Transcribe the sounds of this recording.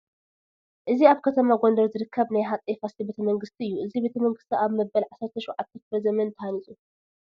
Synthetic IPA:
ʔɨziaβkʰɐt̪ʰɐmaɡo̞nd̪ɐɾzɨɾɨkʰːɐβnajɦat̪ʼefasibe̞t̪ʰɐmɐŋɡɨst̪ʰiɨjːuʔɨzibe̞t̪ʰɐmɐŋɡɨst̪ʰiaβmɐbɐlʕasːɐɾt̪ʰɐʃɔʕat̪ʰːɐt̪ɾɐzɐmɐnt̪ʰːɐhanit͡sʼu

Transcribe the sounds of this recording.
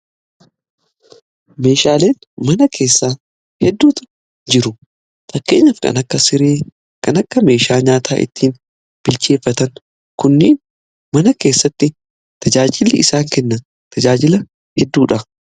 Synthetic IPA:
me̞ːʃaːleːn | mɐnɐkʰe̞ːsːaː | hɛd̪ːuːt̪ʊ̥ | d͡ʒɪɾʊ | fɐkːe̞ːɲːaːfkɐ̰nɐkːɐsɪɾeː | kɐnɐkːɐme̞ːʃaːɲaːt̪ʰaːʔɪ̰t̪ːiːn | b̥ɪlt͡ʃe̞ːfːɐt̪ɐŋ | kʊnːeːn | mɐnɐke̞ːsːɐt̪ːɪ | t̪ɐd͡ʒaːd͡ʒɪlɪɪsaːŋkɛnːɐn | t̪ɐd͡ʒaːd͡ʒɪlɐ | hɛd̪ːuːᶑɐ

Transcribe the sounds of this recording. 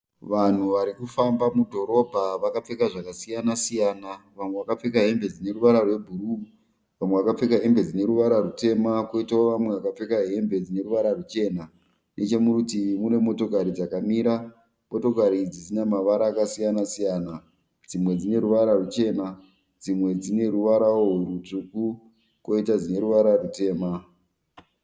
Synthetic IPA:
ʋan̤uʋaɾikufambamudʱo̞ɾo̞bʱaʋakap͡fe̞kaʐakasijanasijaːnaʋamwe̞ʋakap͡fekaɦe̞mbe̞d͡zine̞ɾuʋaɾarwe̞bʱuɾu | ʋamweʋakap͡fekaɦe̞mbe̞d͡zine̞ɾuʋaɾarute̞makoitaoʋamwe̞ʋakap͡fe̞kaɦe̞mbʱe̞d͡zine̞ɾuʋaɾarut͡ʃe̞ːna | nʔe̞t͡ʃe̞muɾutimune̞mo̞to̞kaɾid͡zakamiɾa | mo̞to̞kaɾid͡zid͡zinemaʋaɾaːkasijanasijaːna | d͡zimwe̞d͡zine̞ɾuʋaɾarut͡ʃe̞na | d͡zimwe̞d͡zine̞ɾuʋaɾaoɦweɾutuku | ko̞itad͡zine̞ɾuʋaɾarute̞ːma

